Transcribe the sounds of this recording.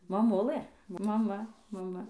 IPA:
mɐˈmʊlˠɘ mɐˈmɐ mɐˈmɐ

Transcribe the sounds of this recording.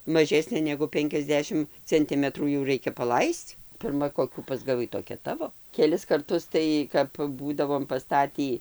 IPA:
mɐˈʒʲæːsʲnʲeː nʲɛɡʊ ˈpʲɛŋʲkʲɛzʲˌdʲæːʃʲɪm t͡sʲɛnʲˈtʲɪmʲɛtruː jɛʊ ˈrɐɪkʲɛ pɐˈlˠɐɪst͡s pʲɪrˈmɐ koːˈkʲuː pɐzɡɐˈʋɐɪ toːˈkʲɛ ˈtɑːʋoː kʲɛˈlʲɪs kɐrˈtʊs ˈtɐɪ kɐp ˈbuːdɐʋoːm pɐˈstɑːtʲiː

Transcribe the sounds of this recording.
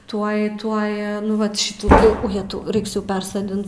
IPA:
ˈtuɔj ˈtuɔj nʊ ˈʋɐt ˈʃʲɪtuː tɐɪ ˈjæːtɐʊ ˈrɐɪks jɛʊ ˈpʲɛrsoːdʲɪnt

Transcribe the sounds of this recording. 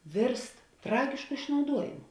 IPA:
ˈʋʲeːrst ˈtrɑːɡʲɪʃkʊ ɪʃnɐʊˈduɔjɪmʊ

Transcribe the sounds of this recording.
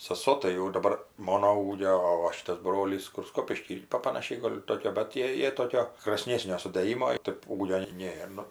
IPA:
sɐˈsoː tɐɪ jɛʊ jɪ dɐˈbɐr ˈmoːnoː ˈuːɡʲoː oː ˈʋɐ ˈʃʲɪtɐs ˈbroːlʲiːs kʊr ˈskoːpʲɪʃʲkʲiː ˈpɐ pɐnɐˈʃʲɛɪ ˈɡoːlʲ ˈtoːkʲoː bʲɛt ˈtʲiɛ ˈjiɛ ˈtoːkʲoː kr ɐsʲˈnʲeːsʲnʲoː sʊdɘˈjɪmoː ˈtʲeːp ˈuːɡʲoː ˈnʲeːr nʊ

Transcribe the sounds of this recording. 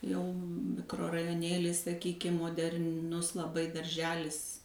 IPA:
ˈjɛʊ mʲɪkroːrɐjoːˈnʲeːlʲɪs sɐˈkʲiːkʲɪm moːdʲɛrʲˈnʊs lˠɐˈbɐɪ dɐrʲˈʒʲæːlʲɪs

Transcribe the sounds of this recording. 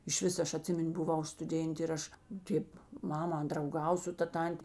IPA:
ɪʃʲˈʋʲɪs ˈɐʃ ɐˈtʲsʲɪmʲɪnʲ bʊˈʋɐʊ stʊˈdʲeːnʲtʲeː ɪr ˈɐʃ ˈtʲeːp ˈmɑːmɐ drɐʊˈɡɐw sʊ ˈtɐ ˈtɐnʲtʲeː

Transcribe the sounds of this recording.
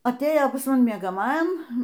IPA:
ɐˈtʲeːjoː pɐs mɐˈnʲɪ mʲiɛɡɐˈmɑːjɛm

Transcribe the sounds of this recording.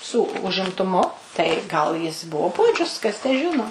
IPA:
ˈsuː ʊʒʲɪmtʊˈmʊ tɐɪ ˈɡɐlˠ jɪs ˈbuɔ ˈpuɔd͡ʒʲʊs kɐs tʲæː ˈʒʲɪnoː

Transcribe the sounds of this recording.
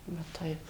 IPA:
ʋɐ ˈtɐɪp

